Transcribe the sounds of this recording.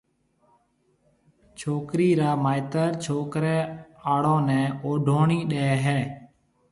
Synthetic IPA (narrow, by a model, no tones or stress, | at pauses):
t͡ʃʰoːkɾiːɾaːmaːɪt̪əɾt͡ʃʰoːkɾɛːaːɽõːnɛ̃ːoːɖʱoːɳiːɗeːɦɛː